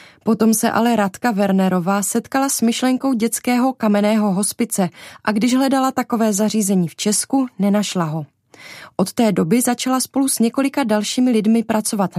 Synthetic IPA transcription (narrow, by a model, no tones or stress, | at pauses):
po̞t̪o̞msɛʔa̰lɛɾat̪kavɛɾnɛɾo̞vaːsɛt̪kalasmɪʃlɛŋko̞wɟɛt͡skɛːɦo̞kamɛnɛːɦo̞ɦo̞spɪt͡sɛʔaɡdɪʒɦlɛdalat̪ako̞vɛːzar̝iːzɛɲiːft͡ʃɛskunɛnaʃlaɦo̞ | ʔo̞t̪t̪ɛːdo̞bɪzat͡ʃalaspo̞lusɲɛko̞lɪkadalʃiːmɪlɪdmɪpɾat͡so̞vat̪